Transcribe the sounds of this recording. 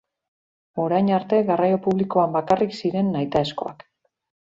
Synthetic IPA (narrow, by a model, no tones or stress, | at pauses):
o̞ɾajnaɾt̪e̞ɣarajo̞puβliko̞ambakariksiɾe̞nːajt̪aesko̞̰a̰k